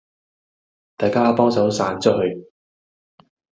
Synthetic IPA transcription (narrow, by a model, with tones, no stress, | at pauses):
t̪aː˨jkaː˥pɔː˥ŋsɐ˨˥wsaː˨˥nt͡sɔ˥ʔ̚hɵ˧ɥ